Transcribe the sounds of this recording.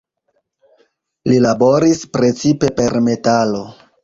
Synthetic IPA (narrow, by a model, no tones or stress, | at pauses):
lilabo̞ɾispɾe̞t͡sipe̞pe̞ɾme̞talo̞